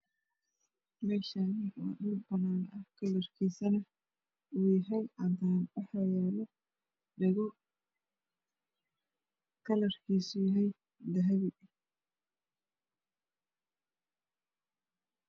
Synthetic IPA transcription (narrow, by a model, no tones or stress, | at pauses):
mɛːʃaːnɪɔ̰ːɗʊlbɐnaːnɐhkʰɐlɐrkʰiːsɐnɐ | wiːɦɛlʔaːnt̪ʰanɑħɐjaːlɔ | ɖɛɣɔ | kʰɐlɐrkʰiːsʊjɐɦɛj | d̪ɐɦɐβɪ